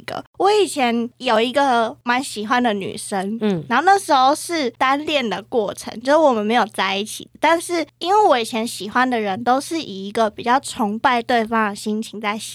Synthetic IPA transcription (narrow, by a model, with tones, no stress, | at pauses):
ɡ̥ə̰˨wɔ˧˥i˨˩t͡ɕʰjɛ˧˦njo˨˩ʊi˧˦˥ɡə˨ma˧˦nɕi˨˩xwa˦nd̪ə˨ny̰˨˩ʂə˦˥ŋ˩na˧nho˥˧na˥˩ʂɻ̩˧˥xo˥˧ʊʂɻ̩˥˩t̪a˦nljɛ˥˩nd̪ə˩kwɔ˥˩ʈ͡ʂʰə̰˧˥ŋt͡ɕjɔ˧˥wɔ˨˩mə˨nme˧ɪjo˨˩ʊt͡sa˥˧ɪi˥˩t͡ɕʰḭ˨˩d̪ə˩t̪a˥˧nʂɻ̩˥˩i˥nwe˥˩ɪwɔ˧˥i˨˩t͡ɕʰjɛ˧˥nɕi˨˩xwa˦˥nd̪ə˨ɻə˧˦nt̪o˥ʊʂɻ̩˥˩ʔi˨˩i˧˦˥ɡə˨pi˨˩t͡ɕjɑ˥˩ʊʈ͡ʂʰʊ˧˥ŋpa˥˧ɪt̪we˥˩ɪfɑ˥ŋd̪ə˨˩ɕi˥ŋt͡ɕʰi˧˥ŋt͡sa˥˩ɪɕ